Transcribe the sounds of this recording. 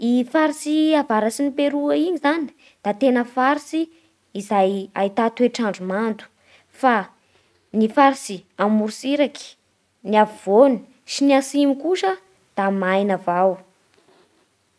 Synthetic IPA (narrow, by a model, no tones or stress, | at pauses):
ifaɾisiavaɾasinipeɾuəiɲizani̥ | d̪̥at̪enəfaɾisiː | zaja̰it̪at̪ueʈ͡ʂaɳɖ͡ʐumant̪u̥ | fa | nifaɾisiamuɾusiɾaki̥ | niavivoni̥ | siniasimikuʃə | d̪̥amajnavaw